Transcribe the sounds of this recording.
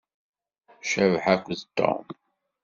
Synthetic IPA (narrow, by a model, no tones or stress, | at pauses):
ʃɐvħakʷzt̪ːa̰ʊ̰m